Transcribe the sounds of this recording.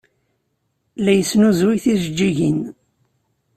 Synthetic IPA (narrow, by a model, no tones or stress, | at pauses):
læjəsnuzwiθiʒəd͡ʒːiʝin